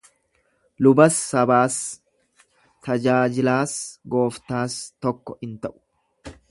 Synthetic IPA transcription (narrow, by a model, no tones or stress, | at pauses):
lʊbɐsːɐbaːs | t̪ɐd͡ʒaːd͡ʒɪlaːsɡo̞ːft̪aːst̪ɔkːɔɪnt̪ɐʔʊ̥